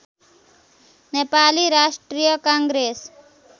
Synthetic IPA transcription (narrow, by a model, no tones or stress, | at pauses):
nepaliɾaʃʈɾijəkãŋɡɾes